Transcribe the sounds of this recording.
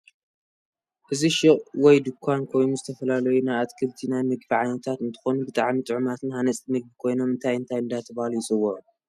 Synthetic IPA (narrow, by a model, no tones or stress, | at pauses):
ʔɨziʃɪχʼwɔjd̪ɨkʰːankʰo̞jnuzɨt̪ʰɐfɐlalɐjunajat̪kʰɨβt̪ʰinanɨɡ̚biʕajnɐt̪ʰat̪ɨnt̪ʰɨ̥xonubɨt̪ʼaʕmit̪ʼɨʕmat̪ʰɨnhanɐt͡sʼt̪ʼinɨɡ̚bikʰo̞jno̞mɨnt̪ʰajɨnt̪ʰajɨnd̪at̪ʰɐbhalujɪsʼɨwːɐʕu